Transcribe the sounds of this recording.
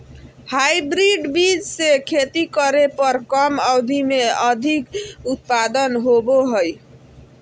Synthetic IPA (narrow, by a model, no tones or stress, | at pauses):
hajbɾiɖbid͡ʒsekʰet̪ikəɾepəɾkəməwd̪ʱimeəd̪ʱikut̪̚pad̪ənɦoboɦəj